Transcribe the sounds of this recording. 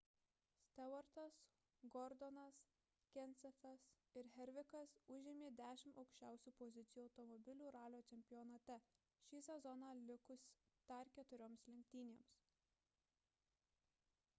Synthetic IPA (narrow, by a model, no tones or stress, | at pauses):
sʲt̪ʲɛʋɐɾt̪ɐs | ɡɔɾd̪ɔnɐs | kʲɛnʲt̪sʲɛfʲɛs | ɪɾɦʲɛɾʲʋʲɪkɐsʊʒʲɪmʲeːd̪ʲæːʃʲɪmɒʊkʃʲt͡ʃʲæˑʊsʲuːpɔzʲɪt̪sʲɪjuːɒʊt̪ɔmɔbʲɪlʲuːɾɑːlʲoːt͡ʃ̪ʲɛmʲpʲɪjɔnɐt̪ʲɛ | ʃʲiːsʲɛzɔnɑlʲɪkʊs | t̪ɐɾkʲɛt̪ʊɾʲoːmslʲɪŋk̚ʲt̪ʲiːnʲeːms